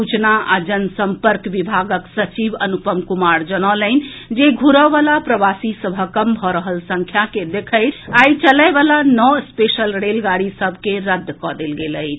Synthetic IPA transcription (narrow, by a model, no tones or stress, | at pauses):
ut͡ʃnaad͡ʒənsəmpəɾkʋibʱaɡəksət͡ʃibənupəmkumaɾd͡ʒənələn | d͡ʒeɡʱuɾəʋalapɾəbasisəbʱəkəmbʱɔɾəɦəlsə̃ŋkʰjaked̪ekʰəjt̪ait͡ʃələjbalanɔspesəlɾelɡaɽisəbʱkeɾəd̪ʱːkɔd̪elɡeləɪt͡ʃʰ